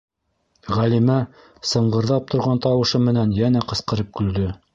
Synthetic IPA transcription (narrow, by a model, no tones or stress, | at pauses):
ʁælimæ | sɤ̆ɴɢɤ̆ɾðɑp̚t̪ʰŏɾʁɑnt̪ɑwɤ̆ʃɤmɘ̆nænjænæqɤ̆sqɤ̆ɾɤp̚kɵ̆ld̪ɵ